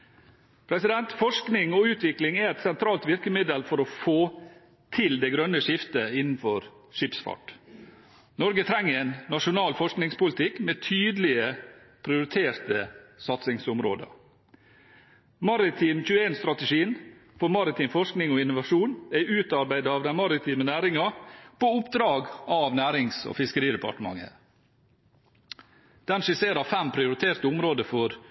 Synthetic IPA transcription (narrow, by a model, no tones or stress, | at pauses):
pʰɾɛsɪd̪ɛnt̪fɔʂknɪŋɔʉːt̪ʋɪklɪŋæɛt̪sɛnt̪ʰɾɑːlt̪ʋɪɾkəmɪd̪əlfɔɾɔfoː | t̪ʰɪld̪ɛɡɾœnːəʂɪft̪əɪnn̩fɔɾ | ʂɪpsfɑ̰ʈ | nɔɾɡət̪ʰɾɛŋːəɛnːɑʂʊnɑːlfɔʂknɪŋspʊlɪt̪ʰɪkmeːt̪ʰyːd̪lɪəpʰɾɪʊɾɪt̪ʰeːɾt̪əsɑt̪sɪŋsʊmɾo̰ːd̪ə̰ | mɑɾɪt̪ʰiːmçʉːəeːnst̪ɾɑt̪əʂiːnfɔɾmɑɾɪt̪ʰiːmfɔʂknɪŋɔɪnʊʋɑʂuːnæɪʔʉːt̪ɑɾbæɪd̪əɑːʋd̪ænmɑɾɪt̪ʰiːmənæːɾɪŋɑpoːʊpd̪ɾɑːɡɑʋnæːɾɪŋsɔ̰fɪskəɾiːd̪əpʰɑ̰ʈəmɑ̰ŋːə̰ | d̪̥ɛnʂɪseːɾɑfɛmpʰɾɪʊɾɪt̪ʰeːɾt̪əʊmɾoːd̪əfɔɾ